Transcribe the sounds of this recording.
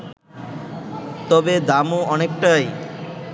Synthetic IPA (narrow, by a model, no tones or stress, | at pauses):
t̪ɔbed̪amoɔnekʈaj